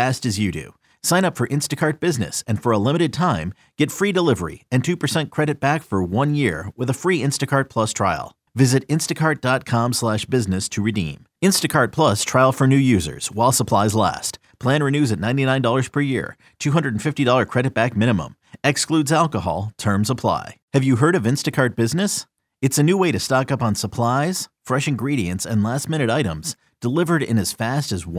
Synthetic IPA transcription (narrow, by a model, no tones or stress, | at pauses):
æstɨzjɨɾʉ̰ | sãɪ̃ñʌpfə˞ʔɪ̃nstɨkʰɑɹt̚b̥ɪznɨ̰sɨ̃nfə˞əlɪ̃mɨɾɨd̚tʰãɪ̃m | ɡ̥ɛtfɹidəlɪvə̰˞ḭɨ̃ntʰʉpə˞sɛ̃nkʰɹ̥ɛɾɨt̚b̥ækfə˞wʌ̃njɪɹwɪðəfɹiɪ̃nstɨkʰɑɹt̚pʰl̥ʌstʰɹ̥aɪlˠ | vɪzɨɾɪ̃nstɨkʰɑɹt̚d̥ɑt̚kʰɑ̃mslæʃb̥ɪznɨstʰɨɹɨdḭ̃m | ɪ̃nstɨkʰɑɹt̚pʰl̥ʌstʰɹ̥aɪlˠfə˞nʉjʉzə̰˞z̥waɪlˠsəpʰl̥aɪzlæ̰st̚ | pʰl̥æ̃nɹɨnʉzɨtⁿnãɪ̃ntinãɪ̃ndɔlˠə˞z̥pʰə˞jɪ̰ɹ | tʰʉɦʌ̃ndɹədn̩fɪftidɔlˠə˞kʰɹ̥ɛɾɨt̚b̥æk̚mɪ̃ñɨmə̰̃m | ɛkskludzælˠkəhɑ̰lˠtʰɜ̃˞msəpʰl̥a̰ɪhɨvjɨɦɜ˞ɾʌvɪ̃nstɨkʰɑɹt̚b̥ɪznɨs | ɨtsɨnʉweɪɾɨstɑkʌpn̩səpʰl̥aɪz̥fɹɛʃɨ̃n̩ɡɹiɾiɨ̃ntsɨ̰̃nlæstmɪ̃ñɨɾaɪɾə̰̃mz̥ | d̥əlɪvə˞ɾɪ̰̃nɨz̥fæstɨzw